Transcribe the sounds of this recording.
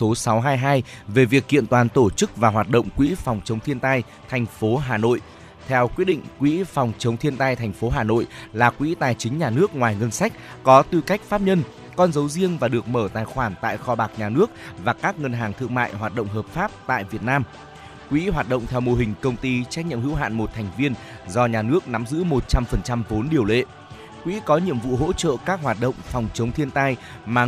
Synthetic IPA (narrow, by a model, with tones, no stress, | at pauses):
so˨˦sa˨˦wɦaː˧jɦaː˧jve˨˩vi˨˩ək̚hḭ˧˨ənt̪waː˨˩nt̪o˧˩t͡ɕɨ˦˥k̚vaː˨˩ɦwaː˨˩t̚ɗə̰˧˨wŋ͡mkwḭ˧˥fa˨˩wŋ͡mt͡ɕə˨˦wŋ͡mt̪ʰi˧ənt̪a˧j | t̪ʰɛ˨˩jŋ̟fo˨˦ɦaː˨˩no̰˧˨j | t̪ʰɛ˧wkwi˦˥ət̚ɗḭ˧˨ŋ̟kwḭ˧˥fa˨˩wŋ͡mt͡ɕə˨˦wŋ͡mt̪ʰi˧ənt̪a˧jt̪ʰɛ˨˩ŋ̟fo˨˦ɦaː˨˩no̰˧˨jlaː˨˩kwḭ˧˥t̪aː˨˩jt͡ɕï˨˦ŋ̟ɲaː˨˩nɨ˦˥ək̚ŋwaː˨˩jŋə˧nsa˦˥jk̟̚kɔ˨˦t̪ɨ˧ka˦˥jk̟̚faː˦˥p̚ɲə˧n | kɔ˧nzə˨˦wzi˧əŋvaː˨˩ɗɨ˨˩ək̚məː˧˩t̪aː˨˩jxwaː˧˩nt̪a̰ː˧˨jxɔ˧ɓaː˨˩k̚ɲaː˨˩nɨ˦˥ək̚vaː˨˩kaː˦˥k̚ŋə˧nɦaː˨˩ŋt̪ʰɨ˧əŋma̰ː˧˨jɦwaː˨˩t̚ɗə̰˧˨wŋ͡mɦəː˨˩p̚faː˦˥p̚t̪a̰ː˧˨jvi˨˩ət̚naː˧m | kwḭ˧˥ɦwaː˨˩t̚ɗə̰˧˨ŋ͡mt̪ʰɛ˧wmo˧ɦï˨˩ŋ̟kə˧wŋ͡mt̪i˧t͡ɕa˦˥k̚ɲḭ˧˨mhḭ˧˥wɦa̰ː˧˨nmo˨˩t̚t̪ʰɛ˨˩jŋ̟vi˧ən | zɔ˧ɲaː˨˩nɨ˦˥ək̚na˨˦mzɨ̰˧˥mo˨˩t̚t͡ɕa˧mfə˨˩nt͡ɕa˧mvo˨˦nɗi˨˩əwlḛ˧˨ | kwḭ˧˥kɔ˨˦ɲḭ˧˨əmvṵ˧˨ɦo̰˧˥t͡ɕə̰ː˧˨kaː˦˥k̚ɦwaː˨˩t̚ɗə̰˧˨wŋ͡mfɔ˨˩wŋ͡mt͡ɕə˨˦wŋ͡mt̪ʰi˧ənt̪aː˧j | maː˨˩